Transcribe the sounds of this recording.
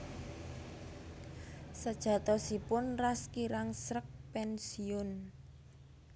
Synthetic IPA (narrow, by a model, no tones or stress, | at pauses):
səd̥ʒ̥ä̤t̪ɔsipʊnraskiɾaŋsɾək̚pɛnsiʊn